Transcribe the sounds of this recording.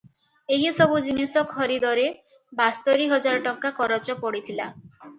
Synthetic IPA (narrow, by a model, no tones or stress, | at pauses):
eɦjesɔbud͡ʒinisɔkʰɔɾid̪ɔɾe | bast̪ɔɾiɦɔd͡ʒaɾɔʈɔkːakɔɾɔt͡ʃɔpɔɽit̪ʰila̰